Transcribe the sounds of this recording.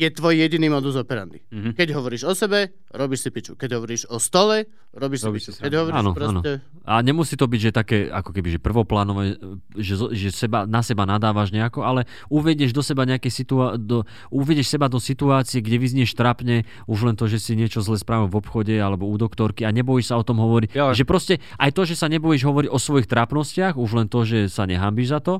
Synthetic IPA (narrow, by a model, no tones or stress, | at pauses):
ɛt̪ʋɔjijɛɟiniːmɔd̪uzɔpɛɾa̰nd̪ikɛɟɦɔʋɔɾiːʒɔsɛbɛ | ɾɔbiːʃsipit͡ʃukɛɟɦɔʋɔɾiːʒɔst̪ɔlɛ | ɾɔbiʃsiiɛɦɔʋɔɾainɔɾɔanɔɛ | aɲɛmusit̪ɔbiɟʒɛt̪akɛːa̰kɔkɛbiʒɛpr̩ʋɔplaːnɔʋɛɛʒɛzʒɛsɛbanasɛbanad̪aːʋaʒɲɛakɔalɛ | uʋɛɟɛʒd̪ɔsɛbaɲɛakɛjsit̪uad̪ɔ | uʋɛɟɛʃsɛbad̪ɔsit̪uaːt͡siɛɡɟɛʋizɲɪɛʃt̪ɾapɲɛ | uʒlɛnt̪ɔʒɛsiɲɪɛt͡ʃɔzlɛːspɾaːʋɛvɔpxɔɟɛalɛbɔuːd̪ɔkt̪ɔɾkiaɲɛbɔjɛʃsaɔt̪ɔmɦɔʋɔɾiɟʒɛpɾɔscɛ | ʔajt̪ɔʒɛsaɲɛbɔjʒɦɔʋɔɾiɟɔsʋɔjixt̪ɾapnɔscɪaɣuʒlɛnt̪ɔʒɛsaɲɛɦambiʒzat̪ɔ